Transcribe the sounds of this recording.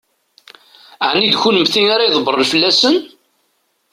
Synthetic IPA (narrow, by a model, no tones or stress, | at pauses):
ʕnːid̪çunəmθinaɾajðˤbəɾˤəlfəlːæsən